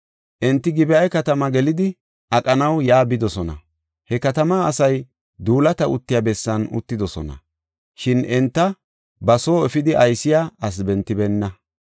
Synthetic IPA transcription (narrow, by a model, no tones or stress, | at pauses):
ʔɛnt̪ːɪɡɪbɛʔɐjkɐt̪ɐmɐɡɛlɪd̪ɪ | ʔɐkʼɐnɐwjaːbɪd̪ɔsɔnɐ̰ | hɛkɐt̪ɐmaːsɐj | d̪uːlɐt̪ɐʔʊt̪ːɪjaːbɛsːɐnʊ̰t̪ːɪd̪ɔsɔ̰nɐ̰ | ʃɪnɛnt̪ːɐ | bɐso̞ːɛfɪd̪ɪʔɐjsɪjaːʔɐs̬bɛnt̪ːɪbɛnːɐ